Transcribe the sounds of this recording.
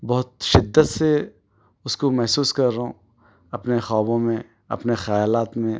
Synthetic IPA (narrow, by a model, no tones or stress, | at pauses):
bɔɦʊt̪̚ʃɪd̪ːət̪se | ʊskomɛɦsuːskɐɾːɐɦõ | ɐpnexɔːbõmẽ | ɐ̰pnexaːjlaːt̪mẽ